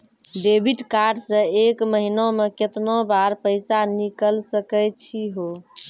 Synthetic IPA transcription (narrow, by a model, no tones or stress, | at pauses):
ɖebʱiʈkaɾɖsə̃ekməɦinomeket̪nobaɾpəjsanikəlsəkəjt͡ʃʰiɦo